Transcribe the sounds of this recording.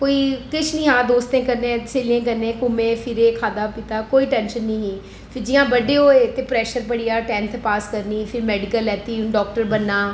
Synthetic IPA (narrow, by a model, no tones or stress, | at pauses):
koːiːkɪt͡ʃʰnĩːɦãːd̪oːst̪ẽːkəɾnẽːseːlɪẽːk̬əɾnẽːkʊmẽːpʰɪɾeːkʰaːd̪aːpit̪aːkoːiːʈɛ̃ːnʃənːĩːɦiː | pʰɪɾd͡ʒɪjãːbəɖeːɦoːeːt̪eːpɾɛːʃəɾpəɽɪjaːʈɛ̃ːnt̪ʰpaːskəɾniːpʰɪɾmɛːɖɪkəlɛːt̪iːɖɔːk̚ʈəɾbənːaː